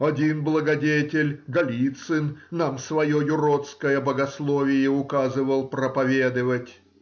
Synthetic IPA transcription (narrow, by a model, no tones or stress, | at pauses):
ɐdʲinblˠəɡɐdʲetʲɪlʲɡɐlʲit̪sɨnnamsvɐjojʊɾot̪skəjəbəɡɐslˠovʲɪjɪʊkazɨvəlˠpɾəpɐvʲed̪ɨvətʲ